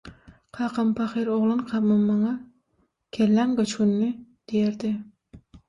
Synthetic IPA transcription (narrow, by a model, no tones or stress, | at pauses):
qʰɑːqɑmpʰɑχeɾoʁlˠɨnqʰɑmɑmːɑŋɑ | kʲʰelːæŋɡɑt͡ʃkunːɪd̪̥ejeɾd̪ɪ